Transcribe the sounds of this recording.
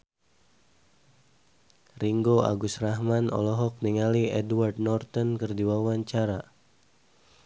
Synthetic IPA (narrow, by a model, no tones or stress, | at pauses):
riŋɡoa̰ɡusrahmanɔ̰lɔɦɔk̚niŋaliɛdward̚nɔrt̪ɔnkərdiwawaɲt͡ʃaɾa